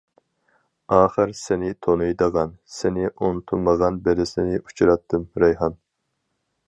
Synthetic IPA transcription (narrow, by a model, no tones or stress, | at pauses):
ɑːχɨɾsɪnɪt̪ʰonujd̪əʁɑnsenɪʔont̪ʰuməʁɑnbeɾɪsɪnɪʔu̥t͡ʃʰɾɑt̪ʰːɨmɾɛjɦɑn